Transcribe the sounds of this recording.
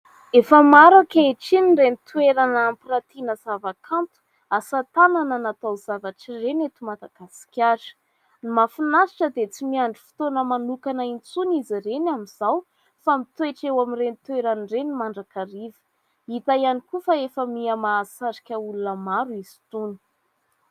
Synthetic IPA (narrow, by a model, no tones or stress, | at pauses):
efəmaɾakʲaeʈ͡ʂinirenit̪weɾanːmpirat̪inəzavakʰant̪u̥ | asat̪anananat̪awzavaʈ͡ʂirenet̪umad̪aɡ̥asi̥kʲaɾ̥ | nimafinasi̥ʈ͡ʂəd̪et͡simiaɳɖ͡ʐu̥fi̥t̪onəmanukanəint͡sunizirenamiz̥aw | famit̪weʈ͡ʂewamirenit̪weɾanrenimaɳɖ͡ʐakaɾivə̥ | it̪ajanikufaefəmiamaːsaɾi̥kʲəulunəmaɾuizi̥t̪uni̥